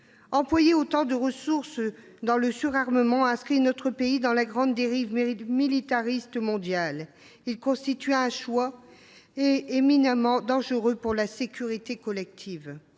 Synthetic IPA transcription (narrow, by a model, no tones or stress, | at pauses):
ɑ̃plwajeot̪ɑ̃d̪əʁəsuʁs | d̪ɑ̃ləsyʁaʁməmɑ̃ɛ̃skχinɔt̪χəpeid̪ɑ̃laɡʁɑ̃d̪ːeʁivmilit̪aʁist̪mɔ̃d̪jal | ilkɔ̃st̪it̪ɥɛ̃ʃwa | eeminamɑ̃d̪ɑ̃ʒəʁøpuʁlasekʲʰyʁit̪ekɔlɛk̚t̪ʰiv